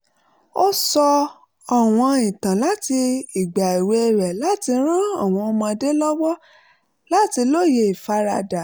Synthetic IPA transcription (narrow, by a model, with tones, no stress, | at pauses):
o˦sɔ˧ | ɔ˨w̃ɔ̃˧i˨tã˨la˨˦ti˧i˨ɡ͡ba˨i˨we˧e˧ɾɛ˨la˦ti˧ɾ̃ã˦ɔ˦˨w̃ɔ̃˧ɔ˧mɔ̃˧de˦lɔ˦wɔ˦ | la˦ti˧lo˦˨je˧i˨fa˧ɾa˧da˨